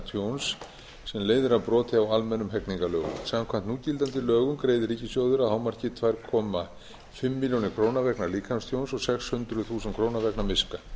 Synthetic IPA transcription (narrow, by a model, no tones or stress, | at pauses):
t̪ʰjowns | sɛmleːjðɪɾavpɾɔːt̪ʰɪawalmɛnːʏmɦɛkniŋkalœːɣʏ̰msamkʰvam̥t̪nuːcilt̪ant̪ɪlœːɣʏmkɾeːjðɪɾicɪsjoːwðʏɾaðhawmaɾ̥cɪt̪ʰvajɾ̥kʰɔːma | fɪmːiljownɪɾkʰɾoːwnavɛknaɾliːkʰanst̪ʰjownsɔɣsɛkshʏnt̪ɾʏθuːsɛnt̪kʰɾoːwnavɛknaɾmɪska